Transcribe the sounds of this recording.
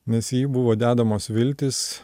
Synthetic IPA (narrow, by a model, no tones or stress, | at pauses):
nʲɛsjiːbʊʋoːd̪ʲæːd̪ɐmoːsʋʲɪlʲt̪ʲɪs